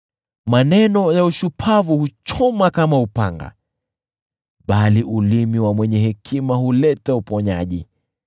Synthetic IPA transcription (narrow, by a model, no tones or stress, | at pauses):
manɛnɔjauʃupʰavuhut͡ʃɔmakamaupaŋɡa̰ | ɓaliʔulimiwamwɛɲɛhɛkʰimahulɛtaupɔɲaʄḭ